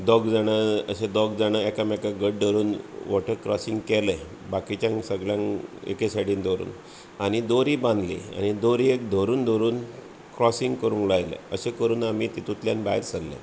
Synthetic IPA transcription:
d̪ɔɡd͡zaɽ̃əəɕed̪ɔɡd͡zaɽ̃əɛkamɛkaɡəɽ̚d̪ʱəɾuːnʋɔʈʰəɾkɾɔsiŋɡkɛlə | bakit͡ɕjãŋsəɡɭjãŋḛkesaʈiːnd̪ʱoɾṵːn | añid̪oɾiːbãnd̪lḭa̰ñid̪oɾiekd̪ʱoɾuːnd̪ʱoɾuːn | kɾɔsĩŋɡkəɾuːnklajlḛəɕekəɾuːnamit̪it̪ut̪ljanbaɦiɾsəllḛ̃

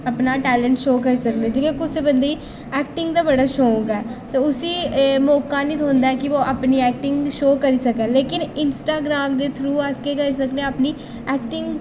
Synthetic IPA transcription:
əpnaːʈɛːləɳʈʃoːkəɾisəkd̪ẽːd͡ʒekẽkʊsebənd̪eiː | ɛːk̚ʈɪŋɡd̪aːbəɽaːʃõːɡɛːt̪eʊsiːmɔːkaːnĩːt̪õːnd̪aːɛkɪʋoːʔəpniːɛːk̚ʈɪŋɡʃoːkəɾiːsəkɛ̃ːleːkɪnɪnsʈaːɡɾaːmd̪eːt̪ʰɾuːaːskeːkəɾisəkd̪ẽːəpniː | ɛːk̚ʈɪŋɡ

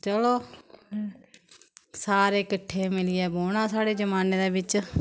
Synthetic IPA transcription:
t͡ʃəloː | saːɾeːkəʈʰːeːmɪlɪɛːboːɽ̃ãːsaːɽeːd͡ʒəmaːneːd̪aːbɪt͡ʃ

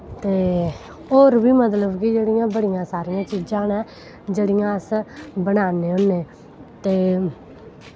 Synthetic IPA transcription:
t̪eː | oːɾbiːmət̪ləbkid͡ʒeːɽɪjãːbəɽɪjãːsaːɾɪjãːt͡ʃiːd͡ʒãːnɛ̃ː | d͡ʒeːɽɪjãːəsbənaːneːɦonẽː | t̪eː

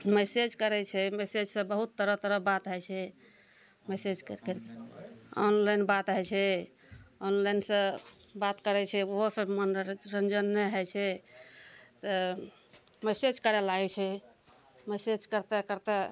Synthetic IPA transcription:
mesed͡ʒkəɾɛt͡ʃʰɛmesed͡ʒsə̃bəɦut̪ːəɾət̪əɾəbat̪ɦɛjt͡ʃʰɛ | mesed͡ʒkəɾkɾkeɔ̰nlajnbat̪ɦɛt͡ʃʰɛ | ɔnlajnsə̃bat̪kəɾɛt͡ʃʰɛoɦosəmənɾɾənd͡ʒənːɛɦɛt͡ʃʰɛ | t̪ə | mɛsed͡ʒkəɾɛlaɡɛt͡ʃʰɛ | mesed͡ʒkəɾt̪ekəɾt̪e

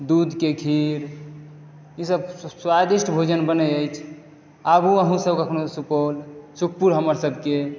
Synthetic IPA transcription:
d̪ud̪ʱkekʰiɾ | isəbswad̪isʈbʱod͡ʒənbənəjəjt͡ʃʰ | abuəɦũsəbkəkʰnosupolsukʰpuɾɦəməɾsəbʱke

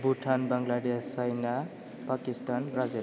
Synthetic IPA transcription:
buʈʰanbʌŋɡlaɖest͡sajna | pakisʈanbrazel

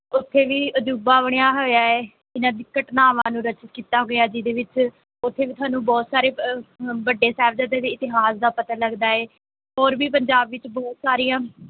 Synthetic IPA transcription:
ʊt̪ʰːeːʋiːəd͡ʒuːbaːbəɳ̃ɪjãːɦoːjaːɛː | ɪnãːd̪ɪkːəʈnaːʋãːnũːɾət͡ʃət̪kiːt̪aːɦoːɡjaːd͡ʒiːd̪eːʋɪt͡ʃ | ʊt̪ʰːeːʋiːt̪ʰʊaːnũːbɔːt̪saːɾeːbəɖːeːsɛːʋd͡ʒəd̪eːd̪eːɪt̪ɪɦaːsd̪aːpət̪aːləɡd̪aːɛː | ɦɔːɾbiːpəɲd͡ʒaːbʋɪt͡ʃbɔːt̪saːɾijãː

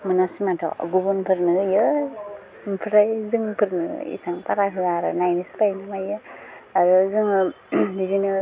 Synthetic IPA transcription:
mɯnasimatʰɔ̰ɡubunpʰɯɾnɯjɯ | mpʰɾajzɯŋpʰɯɾnɯ̰ḭsaŋpaɾakʰɯlaɾɯ̰najnispajnɯmajɯaɾɯzɯŋɯ | did͡ʒinɯ

